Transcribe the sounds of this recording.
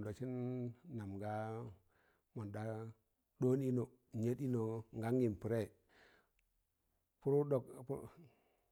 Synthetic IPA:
do˨t͡ʃi˦nːa˨mɡa˦ | mo˨nda˦ | ɗo˦ni˦no˨ | ɲe˦di˦no˨ŋɡa˦ŋɡi˨m˨pi˨ɾe˦˨ | pu˦ɾu˦ɗo˨k

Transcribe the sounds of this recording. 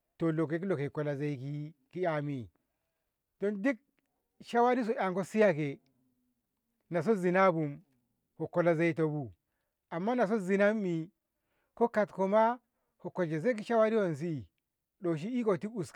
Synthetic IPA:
to˨lo˨ke˨˦ki˦lo˨ke˨ko˨la˨ze˦i˦ki˦ki˦ja˨mi˨ | do˦ndi˦k̚ | ʃa˦wa˦ɾi˦s̬o˨ʔa˨ŋko˦si˦ja˦ke˨ | na˨s̬o˦zi˨na˦bu˨m | ho˨ko˨la˨ze˦i˦to˨bu˨ | a˨mːa˦na˨s̬o˦zi˨na˦mːi˨ | ko˦ka˨tko˨ma˦ | ho˨ko˨d͡ʒe˨ze˦k̬i˦ʃa˦wa˦ɾi˦wo˨ns̬i˦˨ | ɗo˨ʃ̬i˦i˦ko˨ti˦ku˨s

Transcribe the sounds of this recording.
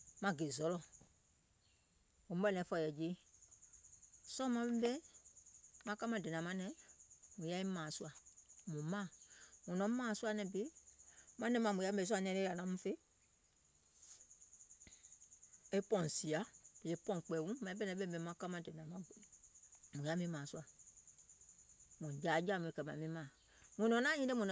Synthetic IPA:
mã˦ɡe˨zɔ˨˦lɔ˦ | o˨m̩˦bɛ˦nɛ̃˨˦fɔ˨jɛ˨d͡ʒe˦ | sɔ˦mã˦bɛ˦m˦bɛ˦ | mã˦ka˦mã˦˨dɛ˨nã˨mã˦nɛ̃˨mũ˨ja˦e˦mã˨su˦a˨mũ˨mã˦˨mũ˨nɔ̃˨˦mã˦˨˦su˦a˨nɛ̃˨be˦mã˦nɛ̃˦mã˨mũ˨ja˦bɛ˨s̬a˦˨nɛ̃˦nɛ˦˨a˨nã˨mũ˦fe˦ | e˦pɔ̃˨n˨si˨a˨˦˨e˨pɔ̃˦˨k͡pɛ˨wũ˦mã˨i˨˦bɛ˦nɛ̃˨˦bɛ˦m˨ɛ˨˦mã˦ka˦mã˦˨dɛ˨nã˨mã˨˦ | mũ˨ja˦mĩ˨˦mãː˨su˦a˨ | mũ˨d͡ʒa˨˦d͡ʒa˦˨mũ˨e˨kɛ˨mã̰˨mĩ˦mã˨ | mũ˨nɔ̃˨nã˦ɲĩ˦de˦mũ˨n˨

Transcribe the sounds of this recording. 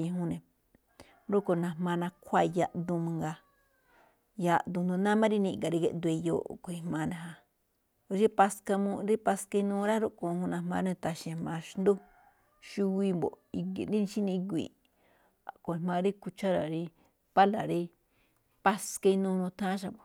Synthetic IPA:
ĩ˧ɦũ˦nẽ˨ | ɾu˦ko˧nã˧˨mã˧nã˧kʰʷa˦˨˧ja˧ʔd̪u˧mũ˧ŋɡa˧ | ja˧ʔd̪ũ˧nd̪u˧nã˦mã˦ɾi˦nĩ˧˨ŋɡa˨ɾi˧ɡe˧ʔnd̪u˧i˧jo̰˧˨ko˨i˧hmã˧nẽ˧ɦã˧˦ | i˦pa˧ska˧mũ˧ɾi˦pa˧ska˧i˧nũː˧ɾa˦ɾo˦ko˧hũ˧nã˧hmã˧ɾnẽ˧t̪a˧ʃi˧a˧mã˧ʃnd̪u˦ | ʃu˦wi˧mbo̰˨i˧ɡḛ˨ɾi˦nĩ˧ʃi˦nĩ˧i˧ɡ̬ʷḭ˨ | a˨ko˨i˧hmã˧ɾi˦ku˧t͡ʃa˦ɾa̰˨ɾi˧ | pa˦la˨ɾi˧ | pa˧ska˧i˧nũ˧nũ˧t̪ʰã˦ʃ̬a˧˨bo˨

